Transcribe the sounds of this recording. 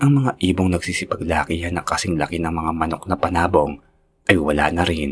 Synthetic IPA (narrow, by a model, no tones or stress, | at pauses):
ʔɐŋmɐŋaʔiːbo̞ŋnɐɡ̚siːsɪpɐɡlaːkihanɐkɐsɪŋlɐkɪnɐŋmɐŋamɐno̞k̚nɐpɐnaːbo̞ŋ | ʔɐjwɐla̰ːnɐɾɪn